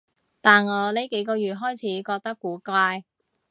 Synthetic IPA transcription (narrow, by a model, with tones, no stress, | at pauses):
t̪aː˨nŋɔː˨˧le˨˥jke˨˥jkɔː˧jyː˨t̚ɦɔː˥jt͡sʰiː˨˥kɔː˧k̚t̪ɐ˥kːuː˨˥kʷaː˧j